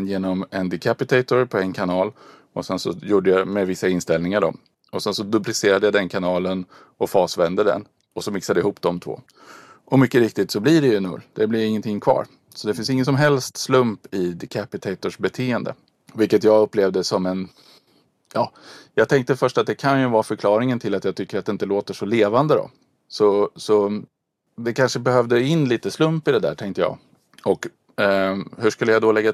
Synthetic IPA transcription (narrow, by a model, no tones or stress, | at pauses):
njeːnɔmɛnd̪ɪkʰapɪt̪ʰɛɪt̪ʊɾpʰɔɛnkʰanɑːl | ɔsɛnsɔjuːɖəjamɛvɪsːaɪnst̪ɛlnɪŋaɖɔ̰m | ɔsɛnsɔd̪ɵplɪseːɾad̪əjad̪ɛnkʰanɑːlən | ɔfɑːsvɛnd̪əd̪ɛ̰n | ɔsɔmɪksad̪əɪhuːpd̪ɔmt̪ʰvo̰ː | ʔɔmʏkːəɾɪk̚t̪ɪt̪sɔblɪɖɛjɵnɵ̰lːd̪̥ɛblɪɾɪŋːənt̪ʰɪŋːkʰvɑ̰ːɾ | sɔd̪ɛfɪnsɪŋːənsɔmɦɛlst̪slɵmpɪkʰæpɪt̪ʰɛɪt̪ʊʂbɛt̪ʰeːənd̪ə̰ | vɪlkːət̪jɑːɡɵpːleːvd̪əsɔmɛn | jɑːjɑːɡ̚t̪ʰɛŋk̚t̪əfœʂʈat̪̚d̪ɛkʰanjɵvɑːɾfœɾkʰlɑːɾɪŋənt̪ʰɪlːat̪jɑːɡt̪ʰʏkːəɾat̪d̪ɛɪnt̪əloːt̪əʂɔleːvand̪əd̪ɔ̰ | sɔsɔ | d̪ɛkʰanʂəbɛhœvd̪əɪnːliːt̪əslɵmpɪd̪ɛd̪æ̰ːʈʰɛŋk̚t̪əjɑ̰ː | ɔk | hɵʂkɵlːəjad̪ɔlɛɡːa